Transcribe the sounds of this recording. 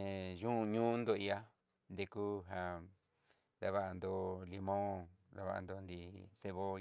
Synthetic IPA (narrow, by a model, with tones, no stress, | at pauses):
e˧ʒũ˦˧ɲũ˦nd̪o˧i˧a˦ | nd̪e˧ku˦ɦa˧ | d̪a˧βa˧ʔa˧nd̪o˧li˧mõ˦d̪a˧βa̰˧ʔa̰˧nd̪o˧nd̪i˧se˧βo˦